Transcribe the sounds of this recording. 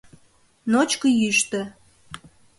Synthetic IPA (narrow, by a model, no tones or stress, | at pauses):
not͡ɕkəjyʃt̪ə̆